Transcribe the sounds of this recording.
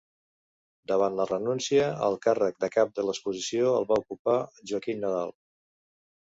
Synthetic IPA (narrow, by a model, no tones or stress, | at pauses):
d̪əβanlərənunsiəə̰lˠkarək̚d̪əkap̚d̪ələspuzisioəlˠβaukupaʒuəkinnəðalˠ